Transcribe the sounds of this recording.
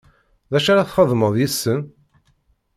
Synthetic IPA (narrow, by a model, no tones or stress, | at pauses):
ðæʃaɾaθχəðˤməðˤjisːən